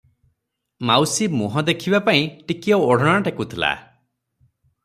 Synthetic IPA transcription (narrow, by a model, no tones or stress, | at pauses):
mawsimuɦɔ̃d̪ekʰibapaĩʈikiɔoɽ̤ɔɽ̃aʈekut̪ʰila̰